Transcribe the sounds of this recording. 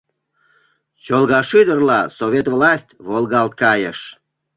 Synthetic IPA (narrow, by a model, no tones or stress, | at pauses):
t͡ɕolɣɑʃyd̪ərlɑsovʲet̪vlɑsʲtʲβolˠɣɑlt̪̚kɑjə̰ʃ